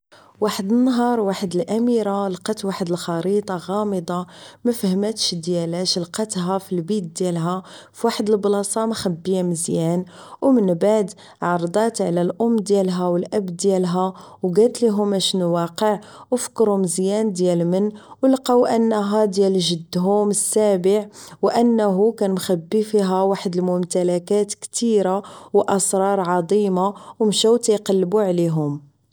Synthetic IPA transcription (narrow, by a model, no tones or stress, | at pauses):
waħəd̪ənːɑɦɑɾˤwaħəd̪əlʔæmiɾalqɑt̪waħəd̪əlxɑɾit̪ˤɑɣɑməd̪ˤɑmæfhəmæt̪ʃd̪jælæʃlqɑt̪ɦæfilbit̪̚d̪jælɦæfiwaħəd̪əlblɑsˤɑmxæbːijæməzjæn | wmənbaʕd̪ | ʕɑɾˤd̪ˤɑt̪ʕlælʔʊmːd̪jælɦæwəlʔæbd̪jælɦæwɡælt̪liɦʊmæʃnuwɑqəʕwəfkɾuməzjænd̪jælmənːwəlqɑwʔənːɦæd̪jælʒəd̪ːɦʊməsːæbəʕwʔənːɦukænmxæbːifiɦæwaħəd̪əlmʊmt̪ælækæt̪kt̪iɾawʔɑsˤɾˤɑɾˤʕɑd̪ˤimawmʃæwt̪jqɑlːbuʕliɦʊm